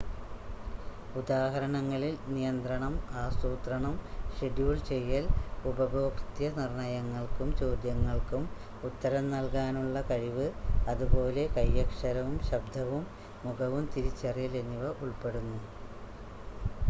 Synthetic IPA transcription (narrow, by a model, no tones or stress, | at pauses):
ud̪aːɦɐɾɐɳɐŋːɐɭilnijɐnd̪rɐɳɐmaːst̪uːt̪rɐɳɐmʂeɖjuːɭt͡ɕejːɐlubɐbʱo̞ːkt̪jɐnirɳɐjɐŋːɐɭkumt͡ɕo̞ːd̪jɐŋːɐɭkum | ut̪ːɐɾɐmnɐlkaːnuɭːɐkɐɻiʋɨɐðubo̞ːle̞kɐjːɐkʂɐɾɐʋumɕɐb̚d̪ʱɐʋumː | uɡɐʋumt̪iɾit͡ɕːɐrjɐlenːuʋɐʔuɭpe̞ɽunːu